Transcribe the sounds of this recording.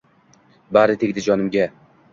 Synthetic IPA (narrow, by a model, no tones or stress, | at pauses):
baɾɪt̪ʰeɡʲd̪ɪd͡ʒɒnɪmɡʲa